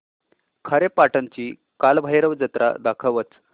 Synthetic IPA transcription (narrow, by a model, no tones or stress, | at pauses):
kʰaɾepaʈənt͡ɕiː | kalbʱajɾəʋd͡zət̪ɾʔa̰d̪akʰəʋət͡s